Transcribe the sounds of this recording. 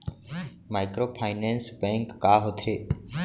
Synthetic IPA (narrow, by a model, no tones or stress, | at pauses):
maɪkɾoːpʰaːɪnẽnsbẽŋkːaːɦot̪ʰeː